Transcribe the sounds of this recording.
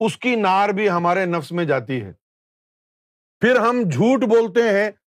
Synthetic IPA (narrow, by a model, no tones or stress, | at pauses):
ʊskinaːɾbʱiɦɐmaːɾenɐfsmẽd͡ʒaːt̪iɦɛ̰ː | fɪɾɦɐmd͡ʒʱuːʈboːlt̪eɦɛ̃